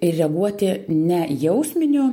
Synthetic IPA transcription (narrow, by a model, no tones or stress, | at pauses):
ɪrʲrʲɛɡuɔt̪ʲɪnʲɛjɛʊsʲmʲɪnʲu